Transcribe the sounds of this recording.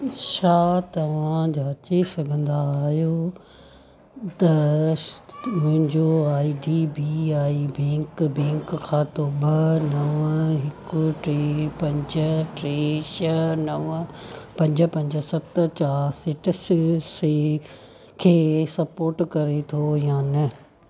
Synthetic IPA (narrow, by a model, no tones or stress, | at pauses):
ʃaːt̪ɐʋ̤ãd͡ʑaːɐt͡ɕesɐɡʱə̃nd̪aːɦijo | t̪ɐ | mʊ̃ɦɪ̃ɲd͡ʑoaːiɖibiaːibɛ̃ːŋkbɛ̃ːŋkkʰːãːt̪obɐnɐʋɦɪkʊʈɾepɐ̃ɲd͡ʑəʈɾeːʃənɐʋpɐ̃ɲd͡ʑə̆pɐ̃ɲd͡ʑə̆sɐt̪t͡ɕaːɾsɪʈss | kʰeːsɐpoːɾʈkɐɾet̪ʰojaːnɐ